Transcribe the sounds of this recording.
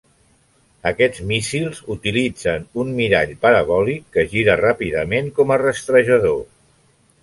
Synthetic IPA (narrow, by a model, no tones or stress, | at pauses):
əkɛd͡zmisilˠzut̪ilid͡zənunmiɾaʎpəɾəβɔlikːəʒiɾərapiðəmeŋkɔmərəst̪ɾəʒəðo